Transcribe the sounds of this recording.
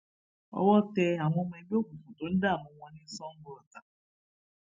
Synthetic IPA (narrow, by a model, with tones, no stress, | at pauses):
ɔ̰˧wɔ˦tɛ˧a˨w̃ɔ̃˧mɛ̃˧i˧ɡ͡be˦o˦˨bũ˨fũ˨to˨˦n̩˦da˦˨mɔ̃˧w̃ɔ̃˧nĩ˦sɔ̃˦ŋ̩˦ɡ͡bɾɔ˨ta˨